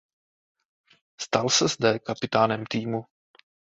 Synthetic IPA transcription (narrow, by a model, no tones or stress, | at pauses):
st̪alsɛzd̪ɛkapɪt̪aːnɛmt̪iːmu